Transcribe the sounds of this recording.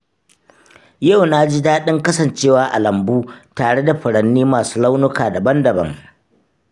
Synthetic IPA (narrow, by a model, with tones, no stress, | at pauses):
ja˦˨wnaː˦d͡ʒɪ˦daː˦ɗɪ˦ŋkɐ˦sɐ˨nt͡ʃeː˦˨waː˦ʔa˨lɐ˨mbuː˦taː˨ɽe˦da˨ɸɪ˨ɽɐ˨nːiː˦maː˨suː˦la˦wnʊ˦kaː˨dɐ˨bɐ˦ndɐ˨bɐ̰˦ŋ